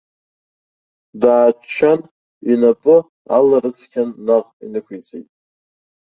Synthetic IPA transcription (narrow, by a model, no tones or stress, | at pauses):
daːt͡ʃʰːan | inapʼɨ | a̰larɨt͡sʰkʲʰanːaqʼḭnɨkʷʰit͡sʼejtʼ